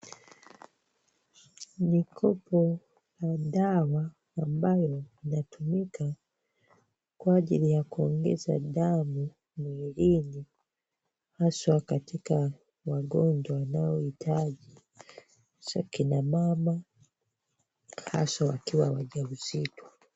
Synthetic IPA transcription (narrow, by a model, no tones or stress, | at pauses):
nikʰɔpɔ | jaɗawaː | mbajɔinatumikʰa | kwaaʄilijakuɔŋɡɛ̰za̰ɗamu | muiɾini | haswakatika | waɡɔɲd͡ʒwawanaɔitʰaʄi | z̥a̰kinamama | ha̰sawakiwawaʄauzitwa